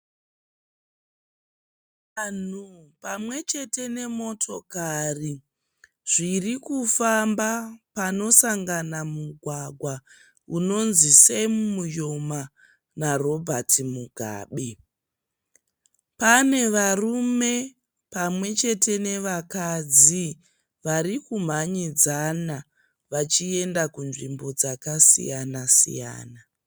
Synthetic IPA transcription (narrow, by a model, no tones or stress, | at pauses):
an̤upamwe̞t͡ʃe̞te̞ne̞mo̞tʰo̞kari | ʐ̥irikufambapano̞saŋɡanamuɡʱwaɡʱwa | uno̞nzisemumujoma | naro̞bʱatʰimuɡʱa̰ːɓe | pane̞ʋarume̞ | pamwe̞t͡ʃe̞te̞ne̞ʋakad͡zi | ʋaɾikum̤aɲid͡zana | ʋat͡ʃie̞ndakunʐimbo̞d͡zakasḭjanasḭja̰ːna